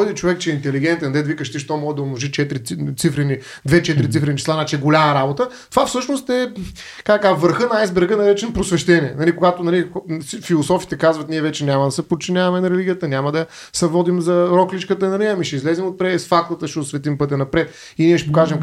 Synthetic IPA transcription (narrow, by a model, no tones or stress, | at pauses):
jd̪ɛt͡ʃovɛkt͡ʃɛːint̪ɛliɡ̟ɛnt̪ɛnd̪ɛd̪vikəʃt̪iʃt̪ɔmɔʒɛd̪ɐomnˠoʒit͡ʃɛt̪ɾit̪sifɾɛni | d̪vɛt͡ʃɛt̪ɾit̪sifɾɛnit͡ʃɛ̥slˠainat͡ʃɛɛɡolʲamɐɾabot̪ə | t̪ovafsɤʃnost̪ɛ | kaɐkaʒvəɾxɤnɐazbɛɾɡənɐɾɛt͡ʃɛnpɾosvɛʃt̪ɛniɛnɐlikoɡat̪onɐlixfilˠosɔfit̪ɛkazvɐt̪niɛvɛt͡ʃɛnʲamɐd̪ɐsɛpot̚t͡ʃinʲavɐmɛnɐɾɛliɡʲijət̪ənʲamɐd̪ɐ | sɛvɔd̪imzɐɾɔklit͡ʃkət̪ənɐliɐmiʃɛizlɛzimot̪̚pɾɛɛsfakt̪ˠət̪əʃɛʊsvɛt̪impɤt̪ɛnɐpɾɛt̪ | iniɛʃɛ̥pokaʒɛm